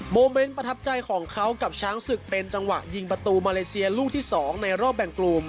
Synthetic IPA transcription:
moː˧me˦˥nppɾa˧t̪ʰa˦˥p̚t͡ɕa˧jkʰɔː˩˦ŋkʰa˦˥wka˨˩p̚t͡ɕʰaː˦˥ŋsɯ˨˩k̚pe˧nt͡ɕa˧ŋwa̰˨˩ʔji˧ŋp̬ɾa˧t̪uː˧maː˧leː˧si˧ɐluː˥˩t̪ʰiː˥˩sɔː˩˦ŋna˧jɾɔː˥˩p̚bɛ˨˩ŋkluː˧m

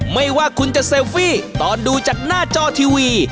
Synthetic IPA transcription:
ma˥˩jwaː˥˩kʰu˧nt͡ɕa˨˩ʔse˧wfiː˥˩t̪ɔː˨nduː˧t͡ɕaː˨˩k̚naː˥˩t͡ɕɔː˧t̪ʰiː˧wiː˧

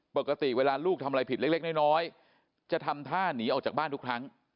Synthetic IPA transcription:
po˨˩kːa˧t̪i˨˩weː˧laː˧luː˥˩k̪̚ʰmʔa˧jpʰi˨˩l̚le˦˥nɔː˥˩jnɔː˦˥j | t͡ɕa˨˩t̪ʰa˧mt̪ʰaː˥˩niː˦˥ʔɔː˨˩t͡ɕaː˨˩k̚baː˥˩nt̪ʰu˥kʰɾa˦˥ŋ

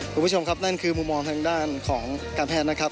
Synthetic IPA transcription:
u˧mbʰo˧mkʰa˦˥p̚na˥˩nkʰɯː˧mu˧mːɔː˧ŋt̪ʰaː˧ŋdaː˥˩nkʰɔː˩˦ŋkaː˧npʰɛː˥˩t̪̚na˦˥kʰa˦˥p̚

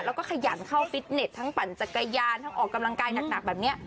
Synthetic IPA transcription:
lɛː˦˥wkɔː˥˩kʰa˧jaː˨˩˦nkʰa˥˩wfi˦˥t̪̚ne˨˩t̪ʰːa˦˥ŋpa˨˩˦nt͡ɕa˨˩ka˧jaː˧nt̪ʰa˦˥ŋʔɔː˨˩kːa˧mla˧ŋkaː˧jna˨˩k̚na˨˩k̚bɛː˨˩p̚ni˦˥ɐ

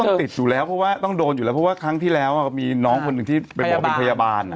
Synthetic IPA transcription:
ɔ˥˩ŋi˨˩t̪̚juː˨˩lɛː˦˥wpʰɔ˦˥waː˥˩t̪ɔ˥˩ŋdoː˧nju˨˩lɛː˦˥pʰɔ˥waː˥˩kʰɾa˦˥ŋt̪ʰiː˥˩lɛː˦˥wʔa˨˩miː˧nɔː˦˥ŋkʰo˧nɯ˨˩ŋt̪ʰiː˥˩pa˧jbpe˧pʰa˧ja˧baː˧n˩

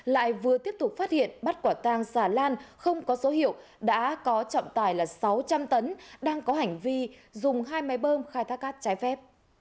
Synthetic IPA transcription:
la̰ː˧˨jvɨ˨˩ət̪i˦˥əp̚t̪ʊ˨˩k͡p̚faː˦˥t̚hḭ˧˨ənɓa˦˥t̚kwaː˧˩t̪aː˧ŋsaː˧˩laː˧nxə˧wŋ͡mkɔ˨˦zo˨˦hḭ˧˨əw | ɗa̰ː˧˥kɔ˨˦t͡ɕɔ̰˧˨ŋ͡mt̪aː˧˩jlaː˨˩sa˨˦wt͡ɕa˧mt̪ə˨˦nɗaː˧ŋkɔ˨˦ha˨˩jŋ̟vi˧zʊ˨˩ŋ͡mɦaː˧jma˨˦jɓəː˧mxaː˧jt̪ʰaː˦˥k̚ːaː˦˥t̚t͡ɕaː˨˦jfɛ˦˥p̚

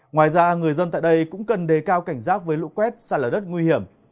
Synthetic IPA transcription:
ŋwaː˨˩jzaː˧ŋɨ˨˩əjzə˧nt̪a̰ː˧˨jɗə˧jkʊ̰˧˥ŋ͡mkə˨˩nɗe˨˩kaː˧wka˧˩jŋ̟zaː˦˥k̚vəː˨˦jlṵ˧˥kwɛ˦˥t̚saː˧˩ləː˨˩ɗə˦˥t̚ŋwi˧hi˧˩əm

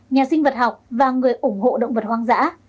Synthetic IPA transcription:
ɲaː˨˩sï˧ŋ̟və˨˩t̚ha˨˩wk͡p̚vaː˨˩ŋɨ˨˩əjʔʊ˧˩ŋ͡mho̰˧˨ɗə̰˧˨wŋ͡mvə˨˩t̚hwaː˧ŋza̰ː˧˥

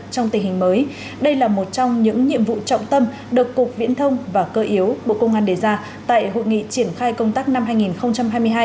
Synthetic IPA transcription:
t͡ɕɔ˧wŋ͡mt̪ï˨˩ŋ̟hï˨˩ŋ̟məː˨˦j | ɗə˧jlaː˨˩mo˨˩t̚t͡ɕɔ˧wŋ͡mɲɨ̰˧˥ŋɲḭ˧˨əmvṵ˧˨t͡ɕɔ̰˧˨wŋ͡mt̪ə˧m | ɗɨ˨˩əkːʊ˨˩k̚vḭ˧˥ənt̪ʰə˧wŋ͡mvaː˨˩kəː˧ʔi˨˦əwɓo̰˧˨kə˧wŋ͡mʔaː˧nɗe˨˩zaː˧ | t̪a̰ː˧˨jɦo̰˧˨jŋḭ˧˨t͡ɕi˧˩ənxaː˧jkə˧wŋ͡mt̪aː˦˥k̚na˧mhɦaː˧jŋi˨˩nxə˧wŋ͡mt͡ɕa˧mɦaː˧jmɨ˧əjɦaː˧j

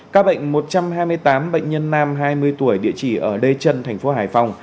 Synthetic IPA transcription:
kaː˦˥k̚ɓə̰˧˨jŋ̟mo˨˩t̚t͡ɕa˧mɦaː˧jmɨ˧əjt̪aː˨˦mɓə̰˧˨ŋ̟ɲə˧nːaː˧mɦaː˧jmɨ˧əjt̪u˧˩əjɗḭ˧˨ət͡ɕi˧˩ʔəː˧˩ɗe˧t͡ɕə˧nt̪ʰɛ˨˩ŋ̟fo˨˦ɦaː˨˩jfa˧wŋ͡m

